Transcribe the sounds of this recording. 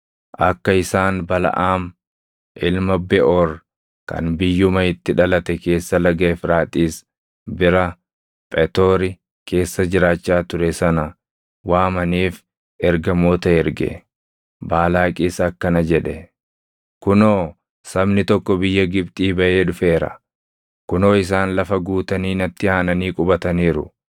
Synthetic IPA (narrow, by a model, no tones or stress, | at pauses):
ʔɐkːɐɪsaːnbɐlɐ̰ʔaːm | ʔɪlmɐbɛʔoːɾ | kɐ̰nbɪjːʊmɐɪt̪ːɪᶑɐlɐt̪ɛke̞ːsːɐlɐɡɐːfɾaːt̪ʼiːs | bɪɾɐ | pʼɛt̪oːɾɪ | kʰe̞ːsːɐd͡ʒɪɾaːt͡ʃːaːt̪ʊɾɛsɐnɐ | waːmɐniːf | ɛɾɡɐmoːt̪ɐɛɾɡɛ̰ | baːlaːkʼiːsɐːkːɐnɐd͡ʒɛᶑɛ | kʊnoː | sɐbnɪt̪ɔkːɔbɪjːɐɡɪbt̪ʼiːbɐʔe̞ːᶑʊfe̞ːɾɐ̰ | kʊno̞ːɪs̬aːnlɐfɐɡuːt̪ɐniːnɐt̪ːɪaːnɐniːkʼʊbɐt̪ɐniːɾʊ̰